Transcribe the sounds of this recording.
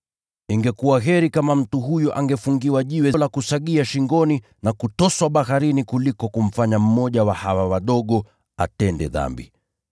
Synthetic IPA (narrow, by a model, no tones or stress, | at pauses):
iŋɡɛkuwaɦɛɾikamam̩tuɦujɔʔaŋɡɛfuŋɡiwaʄiwɛlakusaɠiaʃiŋɡɔni | nakutɔswaɓahaɾinikulikɔkum̩faɲam̩mɔʄawahawawaɗɔɠɔ | a̰tɛndɛ̰ða̰mbḭ